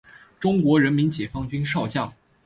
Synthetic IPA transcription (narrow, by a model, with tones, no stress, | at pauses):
ʈ͡ʂʊ˥ŋkwɔ˧˥ɻə˧˥nmi˧˥nt͡ɕjɛ˨˩fɑ˥ŋt͡ɕy˥nʂɑ˥˧ʊt͡ɕjɑ˥˩ŋ